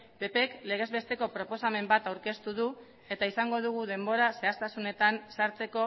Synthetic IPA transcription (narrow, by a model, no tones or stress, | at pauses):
be̞pe̞kle̞ɣ̞e̞zβe̞st̪e̞ko̞pɾo̞po̞same̞mbat̪awɾke̞st̪uðu | e̞t̪aisaŋɡo̞ðuɣ̞uð̞e̞mbo̞ɾase̞ast̪asune̞t̪ansaɾt͡se̞ko̞